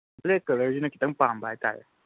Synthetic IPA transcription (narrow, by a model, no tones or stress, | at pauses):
lekəɾəd͡ʒinəkit̪əŋpambajta̰jḛ